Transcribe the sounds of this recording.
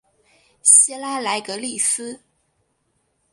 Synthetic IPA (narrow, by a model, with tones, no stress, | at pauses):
ɕi˥la˥la˧˥ɪkɤ˧˥li˥˩sɹ̩˥